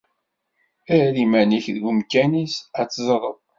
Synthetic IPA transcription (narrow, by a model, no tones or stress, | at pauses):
æɾimæniçðɡʊmkːænisæt͡sːzˤɾˤə̰ðˤ